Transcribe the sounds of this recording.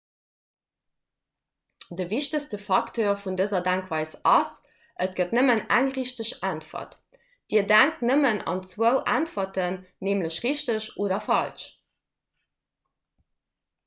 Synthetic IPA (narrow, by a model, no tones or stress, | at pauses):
dəviʃtəstəfɑktʰoːɐfundəzɐdæŋkvɑɪsɑs | ʔət̚ɡ̥ətnəmənæŋʁiɕtəɕæntfɐ̰t | d̥iːɐdæŋk̚tnəmənɑ̰nt͡swəʊʔæntfɐtənneːmləɕʁiɕtəɕʔoːdɐfɑlʃ